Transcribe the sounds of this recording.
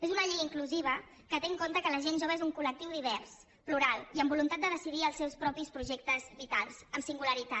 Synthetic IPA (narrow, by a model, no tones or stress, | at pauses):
ezunəʎiɣəiŋkluziβ̞ə | kət̪eŋkont̪əkələʒenʒoβezuŋkulək̚t̪iwðiβ̞ɛrs | pluɾalˠiəmbulunt̪at̪̚d̪əðəsiðiəlˠsɛwspɾɔpispɾuʒek̚t̪əzβit̪alˠsəmsiŋɡuləɾit̪a